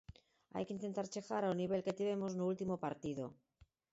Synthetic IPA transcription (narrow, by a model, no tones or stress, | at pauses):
a̰jkeint̪e̞nt̪aɾt͡ʃexaɾawniβe̞lket̪iβe̞moznuult̪imopaɾt̪iðo̰